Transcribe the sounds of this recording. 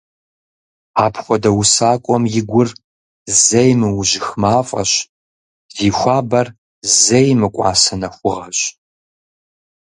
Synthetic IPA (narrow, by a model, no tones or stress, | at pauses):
aːpʰxʷɔdɐwusaːkʷʼɔmjɪɡʷʊr | zɐjmɨwʑɪxmaːfʼɐ̰ɕ | ziːxʷaːbɐr | zɐjmɨkʷʼɑ̰ːsɐnɐxʷʊʁɐɕʼ